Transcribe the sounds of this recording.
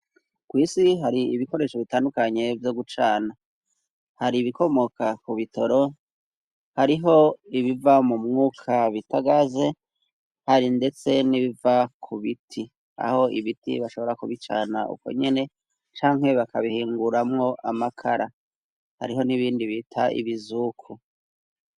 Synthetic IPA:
kwiːsiɦaɾiiβiko̞ɾe̞ːʃo̞βitaːndukaɲe̞vjo̞ɡut͡ʃaːna | haɾiβiko̞mo̞kʰakuβito̞ɾo̞ | haɾiɦo̞iβivamumŋuːkʰaβitaɡaze̞ | haɾinde̞t͡se̞niβivakʰuβitʰi | a̰ho̞ʔiβitḭβaʃo̞βo̞ɾakuβit͡ʃa̰ːnaʔṵko̞̰ɲe̞ne̞ | t͡ʃaːŋ̥he̞βakaβihiːŋɡuɾamŋo̞ʔamakʰaɾa | ha̰ɾiɦo̞niβiːndiβitʰaʔḭβizukʰu

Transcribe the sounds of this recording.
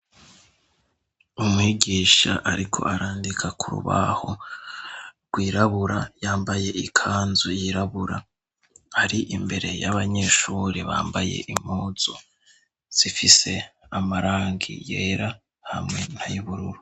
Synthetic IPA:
umŋiːɡiːʃaʔaɾikʰo̞̰ʔaɾaːndikʰakuɾṵβa̰ho | ɡ̥wiːɾaβuɾajaːmbaje̞ikʰaːnzojiɾaβuɾa | aɾiʔimbe̞ɾe̞jaβaɲe̞ʃuːɾeβa̰ːmbajḛʔimhoːz̥o | z̥ifise̞amaɾaːŋɡḭje̞̰ɾa | hamŋe̞n̥ajuβuɾuɾu

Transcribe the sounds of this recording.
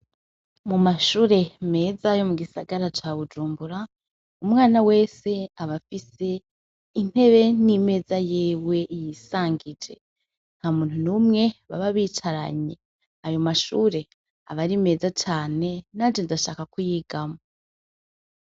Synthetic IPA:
mumaʃuːɾe̞me̞ːzajo̞muɡisaɡaɾat͡ʃaːβud͡ʒuːmbuɾa | umŋaːnawe̞ːse̞aβafise̞ | in̥he̞βe̞nime̞ːzajiːwe̞ʔijisaːŋɡid͡ʒe̞̰ | n̥hamuːn̥hunumŋe̞βa̰βaβiːt͡ʃaɾa̰ɲe̞ | ajo̞maʃuːɾe̞ | aβaɾime̞ːzat͡ʃaːne̞naːd͡ʒendaʃaːkakujiːɡamo

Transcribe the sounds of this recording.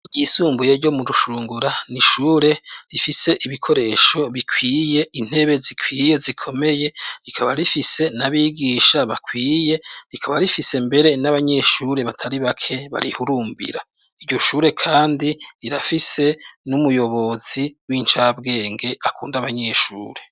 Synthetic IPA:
ɟisuːmbujeɾɟo̞muduʃuːŋɡuɾaniʃuːɾe̞ɾifise̞ʔiβikʰo̞ɾe̞ːʃo̞βikʰwiːje̞in̥he̞βe̞zikʰwiːje̞zikʰo̞me̞je̞ɾikʰaβaɾifise̞naβiɡiːʃaβakʰwiːje̞ɾikʰaβaɾifise̞mbe̞ɾe̞naβaɲe̞ʃuɾe̞βatʰaɾiβakʰe̞βa̰ɾihuɾuːmbḭɾa | iɾɟo̞ʃuːɾe̞kʰaːndiɾiɾafise̞numujo̞βo̞ziwiːnt͡ʃabɡe̞ːŋɡe̞akuːndaβaɲe̞ʃṵːɾe̞

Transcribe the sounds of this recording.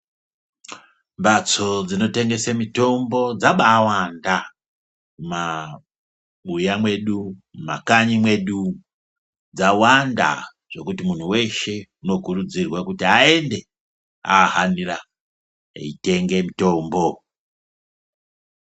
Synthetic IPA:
mbat͡so̞d͡zino̞te̞ŋɡe̞semito̞mbo̞d͡zaɓaːwanda | uma | ɓujamwe̞ɗuma̰kaɲimwe̞ɗu | d͡zawanda̰ | ʐ̥o̞kutimun̤uwe̞ʃe̞uno̞kurud͡zirwakutiae̞nde̞ | a̰ːɦanira | ḛite̞ŋɡe̞mito̞ːmbo̞

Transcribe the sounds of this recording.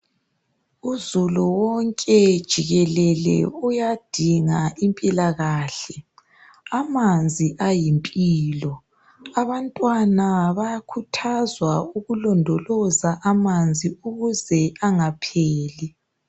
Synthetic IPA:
uzuluwɔŋkʼɛd̥ʒ̥ʱiɣɛlɛlɛ̰ujad̥ʱiŋaʔimpʼilaɣaːɬɛ | amand͡zʱiʔajimpʼiːlɔ | aβantʼwanaβajakʰutʰazwauɣulɔndʱɔlɔzaʔamand͡zʱiuɣuzɛaŋapʰeːli

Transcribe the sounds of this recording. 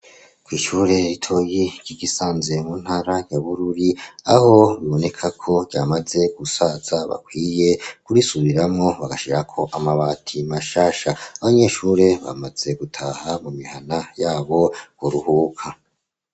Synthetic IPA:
kwiːʃuːɾe̞ɾitʰo̞jiɾɟ̥iɡisaːnze̞muːn̥haːɾajaβuɾuɾiaho̞βiβo̞ne̞kʰakʰo̞ɟamaze̞ɡ̥usaz̥aβa̰kwiːje̞kuɾisuβiɾamŋo̞βaɡaʃiɾakʰo̞ʔamaβaːtʰimaʃaːʃaaβaɲe̞ːʃuɾe̞βa̰maz̥e̞ɡutʰaːhamumihanajaːβo̞hoɾuhukʰa

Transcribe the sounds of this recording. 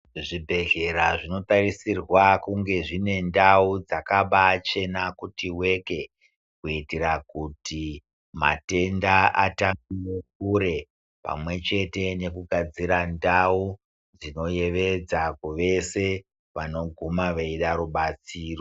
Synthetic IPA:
ʐibʱe̞ɮe̞ɾaʐino̞tarisirwakuŋɡe̞ʐine̞ndaud͡zakaɓat͡ʃe̞nakutiwe̞ke̞ | kuitirakuti | ma̰te̞ndaʔataɡijekuɾe̞ | pa̰mwe̞t͡ʃe̞te̞ne̞kuɡʱad͡ziɾandau | d͡zino̞je̞ʋe̞d͡zakuʋe̞se̞ | ʋano̞ɡʱumaʋaiɗaɾuɓat͡siːro

